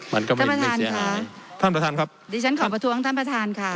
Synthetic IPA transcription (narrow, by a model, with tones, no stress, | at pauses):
ma˧˦˥nkɔ˧˥˩ma˥˧˩pɾa˧t̪aː˧nkʰa˦˥t̪ʰaː˥˩npɾa˧t̪ʰaː˧nkʰa˦˥p̚diː˧˩t͡ɕʰa˦˥nkʰɔː˨˩˥pɾa˧t̪ʰu˧˥əŋt̪ʰaː˥˩npɾa˧t̪ʰaː˧nkʰa˧˥˩